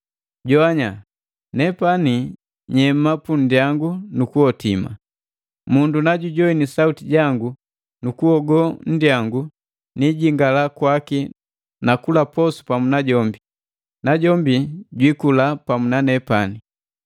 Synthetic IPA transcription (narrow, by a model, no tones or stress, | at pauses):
ɟɔaɲa | nɛpani | ɲɛm̩mːapun̩djaŋɡunukuɔtima̰ | mundunaɟuɟɔinisautiɟaŋɡu | nukuɔɡɔn̩diaŋɡu | niɟiŋɡalakwaki | nakulapɔsu̥pamunaɟɔmbi | naɟɔmbiɟwikulapamunanɛpani